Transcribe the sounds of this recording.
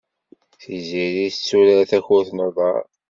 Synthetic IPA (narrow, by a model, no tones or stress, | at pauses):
θiziɾiθt͡sːuɾæɾθæçʊθnoðˤɑ̰ɾˤ